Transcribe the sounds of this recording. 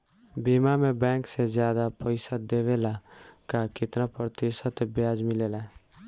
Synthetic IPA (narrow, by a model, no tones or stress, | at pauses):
biːmamẽbɛ̃ːksed͡ʒjaːd̪apəɪsad̪eːʋeːlakakɪt̪napɾət̪ɪʃət̪bjaːd͡ʒmɪleːla